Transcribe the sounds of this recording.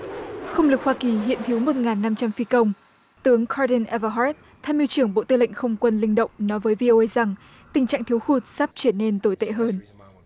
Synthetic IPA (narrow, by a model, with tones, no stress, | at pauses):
xə˧wŋ͡mlɨ˨˩k̚hwaː˧ki˨˩ɦḭ˧˨ənt̪ʰi˨˦wmo˨˩t̚ŋaː˨˩nːa˧mt͡ɕa˧mfi˧kə˧wŋ͡m | t̪ɨ˨˦əŋkʰaː˧ɗi˧nʔɛ˧və˧ɦɔ˦˥t̚ | t̪ʰaː˧jmi˧wt͡ɕɨ˧˩əŋɓo̰˧˨t̪ɨ˧˩lə̰˧˨ŋ̟xə˧wŋ͡mkwə˧nlï˧ŋ̟ɗə̰˧˨wŋ͡mnɔ˨˦jvəː˨˦jvi˧ʔo˧ʔə˧jza˨˩ŋ | t̪ï˨˩ŋ̟t͡ɕa̰ː˧˨ŋt̪ʰi˨˦əwxu˨˩t̚saː˦˥p̚t͡ɕɨ˧˩əne˧nt̪o˧˩jt̪ḛ˧˨ɦəː˧n